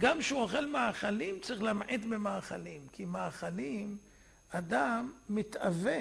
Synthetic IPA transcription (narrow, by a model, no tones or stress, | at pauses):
ɡamʃeuoχe̞lmaːχalimt͡saʁiχlamʕit̪bemaːχalimkimaːχalim | ad̪amːit̪ave